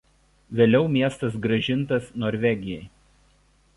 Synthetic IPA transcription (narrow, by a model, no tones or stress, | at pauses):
ʋʲeːlʲɛʊmʲiɛst̪ɐs̬ɡɾɐʒʲɪnˑt̪ɐsnoːɾʲʋʲɛɡʲɪjɛɪ